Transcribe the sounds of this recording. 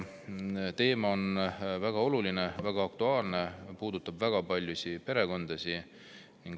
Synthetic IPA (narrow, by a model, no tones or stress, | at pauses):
t̪e̞ːmɑo̞nvæɡ̥ɑo̞luline̞væɡ̥ɑɑk̚t̪uɑːlne̞puːd̪̥ut̪ːˑɑbvæɡ̥ɑpɑlʲjusipe̞ɾe̞ko̞nd̪̥ɑsi | niŋɡ